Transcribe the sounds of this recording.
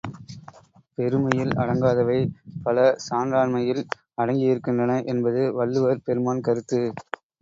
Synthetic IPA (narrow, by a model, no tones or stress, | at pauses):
pɛɾɯmɐjɪlɐ̰ɽɐŋɡaːðɐʋɐɪpɐlɐsaːnɾaːɳmɐjɪl | ɐɽɐŋɡɪjɪɾɯkːɪndrɐnɐʔɛnbɐðɯʋɐɭːɯʋɐɾpɛɾɯmaːnkɐɾɯt̪ːɯ